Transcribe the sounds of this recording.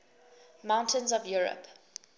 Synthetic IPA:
mãʊ̃ntʰə̃nzɔvjɔɹə̰p

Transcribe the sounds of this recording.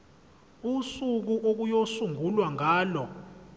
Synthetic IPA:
usuk̬uʔok̬ujosuŋɡʱulwaŋʱaːlɔ

